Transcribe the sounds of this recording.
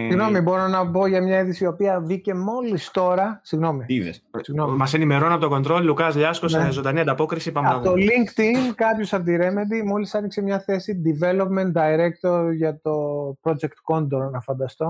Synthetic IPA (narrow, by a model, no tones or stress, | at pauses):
iɣno̞mibo̞ɾo̞nɐbo̞ʝɐmɲɐiðisio̞piɐvice̞mo̞list̪o̞ɾɐsiɣno̞mið̰ssiɣnommɐse̞nime̞ɾo̞nɐpot̪oɡo̞nd̪ɾo̞lilukɐzʎɐskoszond̪ɐniɐnd̪ɐpo̞kɾisipɐmt̪oliŋkt̪inkɐpçosɐnd̪iɾe̞me̞nd̪imo̞lisɐniksemɲɐθe̞sid̪ive̞lo̞pme̞nt̪d̪ɐiɾekt̪oɾʝɐt̪o̞pɾo̞d͡ʒekt̪ko̞nd̪oɾnɐfɐnd̪ɐst̪o̞